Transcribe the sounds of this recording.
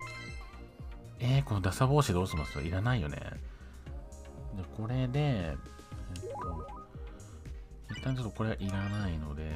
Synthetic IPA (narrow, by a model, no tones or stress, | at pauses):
eko̞no̞d̪asaβo̞ːɕid̪o̞ːɕimasɨjo̰iɾanaijo̞̰ne̞̰ | d͡ʑako̞ɾe̞d̪e̞ | ɯt̪ːo̞ | it̪ːãɲ̟t͡ɕo̞t̪ːoko̞ɾe̞ɡaʔiɾanaino̞d̪e̞